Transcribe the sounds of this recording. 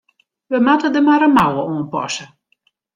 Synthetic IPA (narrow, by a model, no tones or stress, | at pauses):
ʋəmatədəmaɾənmawəoːnpɔ̰sə